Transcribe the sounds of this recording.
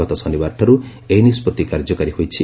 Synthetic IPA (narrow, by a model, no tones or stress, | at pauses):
ɔt̪ɔsɔnibaɾʈʰɔɾu | ejnispɔt̪ikaɾd͡ʒɔkɔɾihojt͡ʃʰi